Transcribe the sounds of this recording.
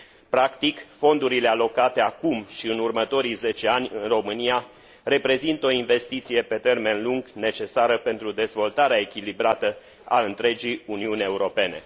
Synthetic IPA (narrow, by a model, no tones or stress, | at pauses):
pɾakt̪ikfo̞nd̪uɾilealo̞kat̪e̞akumʃiɨnurmət̪o̞ɾijze̞t͡ʃe̞anʲɨnro̞mɨnia | re̞pɾe̞zint̪o̞inve̞st̪it̪sije̞pe̞t̪e̞rme̞nluŋɡne̞t͡ʃe̞saɾəpe̞nt̪ɾud̪e̞zvo̞lt̪aɾeae̞kʲilibɾat̪ə | a̰ɨnt̪ɾe̞d͡ʒijuniunʲe̞uɾo̞pe̞ne̞̰